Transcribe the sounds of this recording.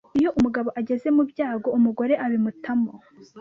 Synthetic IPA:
ijo̞ʔumuɡaβo̞ʔaɟe̞ze̞mubɟaːɡo̞umuɡo̞ɾe̞ʔaβimutʰamo

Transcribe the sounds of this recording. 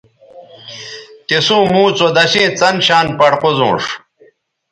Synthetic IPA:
t̪isũːmũːt͡sod̪ɐɕẽːt͡sɐnɕaːnpɐɽqozõ̰ːʂ

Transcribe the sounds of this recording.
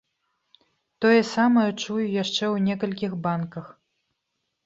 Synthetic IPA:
t̪ɔjɛsamɐjɛt͡ʂujujaʂt͡ʂɛwnʲɛkɐlʲkʲixbankɐx

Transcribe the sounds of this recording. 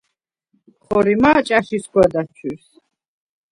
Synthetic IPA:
χɔɾimat͡ʃʼaʃiskwad̪at͡ʃʰis

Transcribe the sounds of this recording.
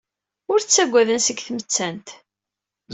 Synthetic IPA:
ʊɾt͡sːæɡʷːæðənsəɡθmət͡sːænt̪

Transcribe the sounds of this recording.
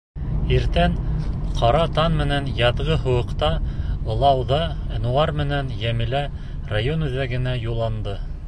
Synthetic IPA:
iɾt̪ænqʰɑɾɑt̪ɑnmɘ̆nænjɑðʁɤɦŏwɤ̆qt̪ɑɤ̆lˠɑwðɑnuɑɾmɘ̆nænjæmɘ̆læ | rajonʉðæɡɘ̆næjulˠːɑnd̪ɤ

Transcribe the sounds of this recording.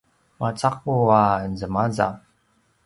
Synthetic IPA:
mat͡saq̚uaənzəmaza̰

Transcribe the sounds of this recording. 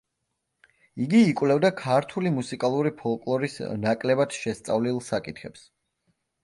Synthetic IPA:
iɡiːkʼwlɛvd̪akʰaɾt̪ʰulimusikʼalˠuɾipʰɔlˠkʼlˠɔɾisnakʼlɛbad̪̥ʃɛst̪sʼavlilˠsakʼit̪ʰχɛps

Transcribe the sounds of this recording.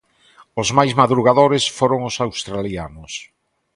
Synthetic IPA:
ʊzmajzmaðɾuɣaðoɾesfoɾoŋʊsawst̪ɾalianʊs

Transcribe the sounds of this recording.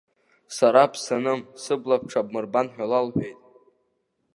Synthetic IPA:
saɾapʰsanɨmsɨblap̚ʰʈ͡ʂʰab̚mɨrbanħᶣalalħʷᶣejtʼ

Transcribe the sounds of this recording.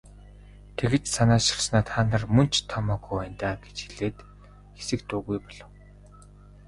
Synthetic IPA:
t̪ʰeɣɘ̆t͡ɕsanaːʃĭ̥rsnaːt̪χaːnə̆rmɵn̥t͡ɕʰt̪ʰːɔmɔːkuænʲt̪aːɡet͡ɕxiɮeːt̪ | xe̥sɘ̆k̚t̪uːɣujpɔɮɞ̆w

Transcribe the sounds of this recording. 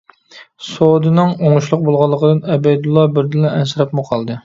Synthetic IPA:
sod̪ɨnɨŋoŋʊʃlˠʊq̚bolˠʁɑlˠːəqəd̪ɨnɛbɛjd̪ulˠːɑbɪɾd̪ɪlːɛɛnsɪɾɛpmʊqʰɑlˠd̪ɨ

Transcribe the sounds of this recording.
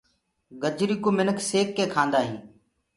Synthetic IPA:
ɡəd͡ʒɾiːkoːmɪnəkʰseːkːẽːkʰãːnd̪aːɦĩː

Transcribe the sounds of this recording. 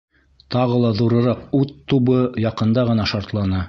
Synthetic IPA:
t̪ɑʁɤlˠɑðuɾɤ̆ɾɑqʉt̪ːubɤjɑqɤ̆nd̪ɑʁɤ̆nɑʃɑɾt̪lˠɑnɑ

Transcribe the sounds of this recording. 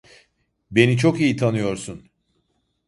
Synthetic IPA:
be̞nit͡ʃʰo̞kijit̪ʰanɯjo̞ɾsun

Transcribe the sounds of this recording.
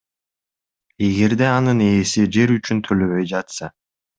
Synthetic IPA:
e̞ɡe̞ɾd̪e̞ɑnɯne̞ːsid͡ʒe̞ɾyt͡ʃynt̪ʰø̞løβø̞jd͡ʒɑt̪sɑ

